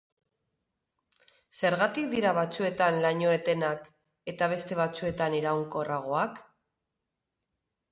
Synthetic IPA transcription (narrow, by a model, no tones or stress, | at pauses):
se̞ɾɣat̪ik̚d̪iɾaβat͡sue̞t̪anlaɲoet̪e̞nak | e̞t̪aβ̞e̞st̪e̞β̞at͡sue̞t̪aneɾawŋko̞raɣ̞o̞ak